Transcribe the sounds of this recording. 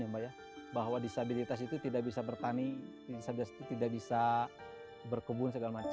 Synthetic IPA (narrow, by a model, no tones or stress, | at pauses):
ambaja | baɦwadisabilit̪as̬it̪ut̪idaʔ̚bisabərt̪ani | disabit̪asit̪ut̪idakbisa | bərkəbʊnsəɡalamat͡ʃ